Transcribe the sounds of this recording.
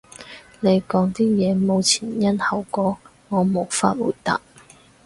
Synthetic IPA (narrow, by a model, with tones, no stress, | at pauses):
le˨˧jkɔː˨˥ŋt̪iː˥jɛː˨˧mo˨˧wt͡sʰiː˨˩njɐ˥nhɐ˨˩wkɔː˨˥ | ŋɔː˨˧mo˨˧wfa̰ː˧t̚wṵː˨˩jt̪a̰ː˨p̚